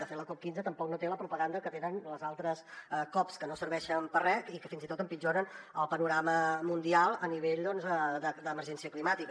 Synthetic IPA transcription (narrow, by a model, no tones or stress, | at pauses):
əfeləkɔp̚kinzət̪əmpɔknot̪eləpɾupəɣand̪əkət̪enənləzalˠt̪ɾəskɔpskənosəɾβɛʃəmpərɛkikəfinzit̪ot̪əmpid͡ʒonənəlˠpənuɾaməmund̪ialˠəniβ̞eʎd̪ɔnzəd̪əd̪əməɾʒɛnsiəklimat̪ikə